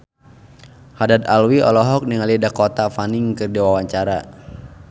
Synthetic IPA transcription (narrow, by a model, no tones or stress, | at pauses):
hadat̪̚alwiɔ̰lɔɦɔk̚niŋalidakɔt̪afaniŋkɨrdiwawaɲt͡ʃaɾa